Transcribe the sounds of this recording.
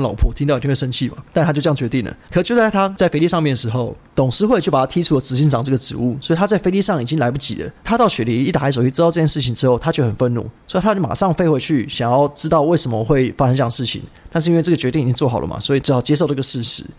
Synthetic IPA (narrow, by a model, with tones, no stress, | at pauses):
lɑ̰˨˩ʊpʰwɔ˥˩i˧˥ŋɑ˥˩˨wʂə˥nt͡ɕʰi˥˨˩ma̰˨˩t̪a˥˧tʰa˥t͡ɕo˥˧jɑ˥˩t͡ɕɥɛ˧˥i˥˩nlə̰˩kʰə˨˩˨t͡ɕjt͡st̪ʰa˥t͡sa˥˩ɪfe˧˥ɪli˥˧ʂɑ˥˧ŋmjɛ˥˩nd̪ə˩ʂ̩˧˥xo˥˩ʊt̪ʊ˨˩ŋʂɻ̩˥xwe˥˩t͡ɕjo˥˩ʊpa˨˩t̪ʰa˥i˥ʈ͡ʂʰu˥lə˨t͡sɹ̩˧˩i˧˥˩nʈ͡ʂɑ˨˩ŋʈ͡ʂɤ˥˩ɡə˩ʈ͡ʂɻ̩˧˦u˥˩swɔ˧˥˨t̪ʰa˥t͡sa˥˩ɪfe˧˥ɪli˥˧ʂɑ˥˩ŋi˨˩t͡ɕi˦˥ŋla˧˥ɪp̬u˥˩t͡ɕḭ˨˩d̪ə̰˦t̪ʰa˥t̪ɑ˥˩ʊɕɥɛ˨˩li˧˥i˥˩t̪a˨˩a˧˥ɪʂo˨˩i˥˩ʈ͡ʂ̩˥t̪ɑ˥˧ʊʈ͡ʂɤ˥˩t͡ɕjɛ˥˧˩ʂɻ̩˥˩t͡ɕʰi˨˧nʈ͡ʂɻ̩˥xo˥˩ʊt̪ʰa˥t͡ɕjo˥˩ʊxə˨˩nfə˥˧nṵ˥˩swɔ˧˥i˨t̪ʰa˥˩ma̰˨˩ʂɑ˥˧ŋfe˥˧ɪxwe˥˧ɪt͡ɕʰy˥˩ɕɑ˨˩ŋjɑ˥˩ʊʈ͡ʂɻ̩˥t̪ɑ˥˧ʊwe˥˩ɪsə˨˩mə˧xwe˥˩ɪfa˥ə˧nʈ͡ʂɤ˥˩jɑ˥˩ʂɻ̩˥˩t͡ɕʰḭ˨˦ŋ | t̪a˥˧ʂ̬̩˥˧˥nwe˥˧ɤ˥˩ɡə˩t͡ɕɥɛ˧˥t̪i˥˩ŋi˨˩t͡ɕi˥ŋt͡swɔ˥˩xɑ˨˩ʊlə̰˩mʔa̰˨˩swɔ˧˥i˨˩ʈ͡ʂɻ̩˧˥xɑ˨˩ʊt͡ɕjɛ˥ʂ̬o˥˧ə˥ɤ˥˩ə˨ʂɻ̩˥˩ʂɻ̩˧˦